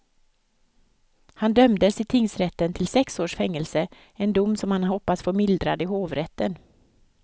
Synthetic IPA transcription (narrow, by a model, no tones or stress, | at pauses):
hand̪œmd̪əsɪt̪ʰɪŋsɾɛt̪ːənt̪ʰɪlsɛksoːʂfɛŋːəlsə | ɛnd̪ʊmːsɔmhanhɔpːasfoːɾmɪld̪ɾa̰d̪ɪhoːvɾɛt̪ːən